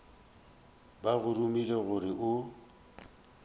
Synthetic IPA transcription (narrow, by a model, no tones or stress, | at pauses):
baɣʊrumileɣʊɾɪʔʊ